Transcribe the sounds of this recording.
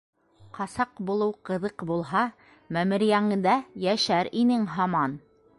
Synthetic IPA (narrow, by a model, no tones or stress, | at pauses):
qɑsɑqbulˠɤwqɤ̆ðɤqbulˠɦɑ | mæmɘ̆ɾɪjæŋɘ̆nd̪æjæʃæɾinɘŋɦɑmɑn